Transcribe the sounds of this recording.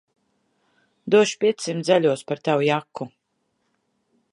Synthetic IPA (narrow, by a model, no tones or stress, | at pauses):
d̪uɔʃpʲiɛsimt̪zɛlʲuɔspaɾt̪awujakːu